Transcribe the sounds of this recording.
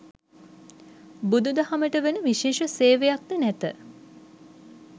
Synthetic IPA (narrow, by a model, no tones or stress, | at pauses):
bud̪ud̪əhaməʈəʋenəʋiʃeːʃəseːʋejak̚d̪ənæt̪ə